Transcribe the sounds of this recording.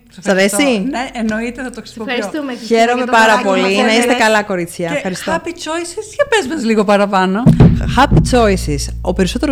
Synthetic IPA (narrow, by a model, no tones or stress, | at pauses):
sɐɾesineʔeno̞it̪enɐt̪oksoɐsçe̞ɾo̞me̞pɐɾɐpo̞linɐist̪ekɐlɐko̞ɾit͡sçɐefxɐɾistt̪oɐpit͡ʃojsisçɐpezmɐzliɣo̞pɐɾɐpɐno̞xɐpit͡so̞isiso̞pe̞ɾiso̞t̪eo